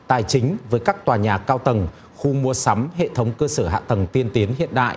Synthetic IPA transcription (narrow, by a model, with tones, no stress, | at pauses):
t̪aː˨˩jt͡ɕï˨˦ŋ̟vəː˨˦jkaː˦˥k̚t̪waː˨˩ɲaː˨˩kːaː˧wt̪ə˨˩n | xu˧mu˧əsa˨˦mɦḛ˧˨t̪ʰə˨˦wŋ͡mkəː˧səː˧˩ɦa̰ː˧˨t̪ə˨˩ŋt̪i˧ənt̪i˨˦ənhḭ˧˨ənɗa̰ː˧˨ʔ